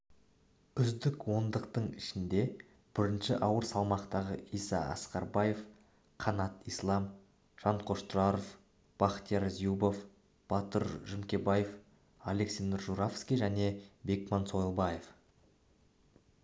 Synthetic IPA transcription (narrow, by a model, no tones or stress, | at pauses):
ʏzd̪ɪkwo̞nd̪əqt̪əɴɪʃɪnd̪e̞ | b̥ɪɾɪnʃɪʔɑwəɾsɑlˠmɑqt̪ɑʁəisɑ̰ɑ̰sqɑɾbɑje̞f | qʰɑnɑt̪ijslˠɑm | ʒ̥ɑɴqʰo̞ʃt̪ɾɑɾof | b̥ɑχt̪ijɑɾzijubof | b̥ɑt̪əɾʒɪmkʲe̞baje̞f | aleksend̪əɾʒuɾafskʲijʒæne̞be̞kmɑnso̞jlˠbɑje̞f